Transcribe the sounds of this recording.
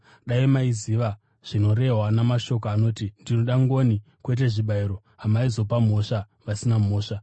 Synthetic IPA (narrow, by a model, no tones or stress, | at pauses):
ɗaiemaiziʋa | ʐ̥ino̞ɾe̞ɦwanamaʃo̞k̬oano̞ːtindinoɗaŋɡoːni | kwe̞t̬e̞ʐiɓaiɾo̞ | ɦamaizo̞pam̤o̞ʂa | ʋasinamo̞ːʂa